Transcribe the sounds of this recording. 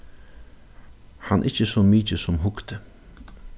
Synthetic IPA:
hanʔɪt͡ʃəsoːmiːt͡ʃəsʊmɦʊkt̪ə

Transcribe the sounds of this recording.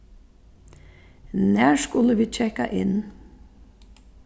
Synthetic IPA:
næːɹskʊləʋiːt͡ʃʰɛka̰ʔɪ̰n

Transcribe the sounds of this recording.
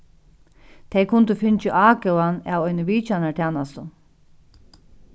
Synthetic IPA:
t̪ʰɛjkʰʊnt̪ɪfɪnt͡ʃɪʔaːkɛwanaːwɔjnɪʋiːt͡ʃanat̪ʰæːnast̪ʊ

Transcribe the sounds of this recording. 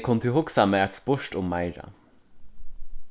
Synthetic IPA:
kʰɔnt̪ʰɪlhʊksamɛːæt̪spʊʃtʊmːaɪɾa̰

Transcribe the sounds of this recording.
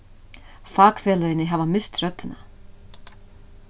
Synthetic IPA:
faːkfɛːlœjɪnːɪɦavamɪst̪rœt̪ːʏna

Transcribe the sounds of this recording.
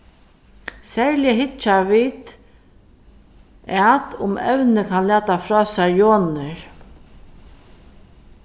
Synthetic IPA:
sɛɹljəɦɪt͡ʃːaʋiːt̪ | at̪ʊmɛ̰wnɪkʰanlæːt̪afɾɔːsaɹjoːnɪɹ

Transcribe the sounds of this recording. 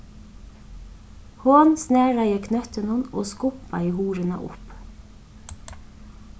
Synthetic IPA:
hʊnsnɛːɾajɪkʰnœht̪ɪnʊnɔːɣskʊpːajɪɦuːɾɪna̰ʔʊ̰p

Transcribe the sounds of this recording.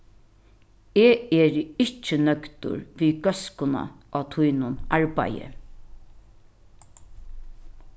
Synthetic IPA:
eːɛːɾɪt͡ʃːɪnœkt̪ʊ̰ɹʋiːɡœskʊna̰ʔaːt̪ʰujnʊnaɹpa̰jə̰

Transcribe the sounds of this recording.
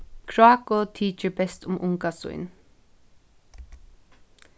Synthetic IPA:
kʰɹaːkot̪ʰiːt͡ʃəɹbɛst̪ʊmʔʊŋkasʊ̰ʏn

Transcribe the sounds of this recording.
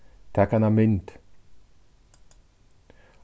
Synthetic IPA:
t̪ʰakanamɪnt̪

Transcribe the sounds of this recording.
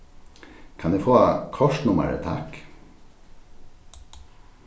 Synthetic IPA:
kʰɑnd̪ʉːfoːkʰɔʃnʊmə̰ɾə̰t̪ʰæ̰k

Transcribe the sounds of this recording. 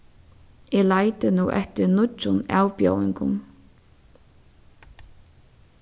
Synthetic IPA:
ɛlajt̪ɪnuːʔɛht̪ɪɾnʊt͡ʃːʊna̰ːwpjo̰wɪŋkʊ̰m

